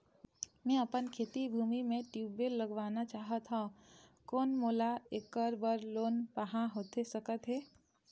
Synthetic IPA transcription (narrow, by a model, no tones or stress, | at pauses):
mɛ̃əpənkʰeːt̪ibʱuːmimẽʈjuːbelːəɡʋaːnat͡ʃaːɦət̪ɦãkɔːnmoːlaeːkəɾbəɾloːnpəɦãɦoːt̪esəkət̪ɦɛː